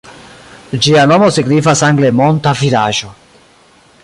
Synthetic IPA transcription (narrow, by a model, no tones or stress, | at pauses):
d͡ʒianɔmoseɡɾivasaŋɡlemɔnt̪afiɾaʒo